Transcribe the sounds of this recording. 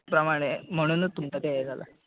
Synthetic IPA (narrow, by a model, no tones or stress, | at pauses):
pɾɐmaɽ̃em̤əɽ̃uːnt̪umt̪at̪eajed͡zala̰